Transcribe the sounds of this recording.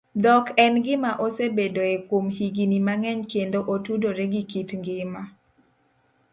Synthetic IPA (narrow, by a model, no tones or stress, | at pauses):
dɔkɛnɡɪmaʔosebedoekwomhiɡinimaŋɛɲkendoʔotudoɾɛɡikitŋɡɪma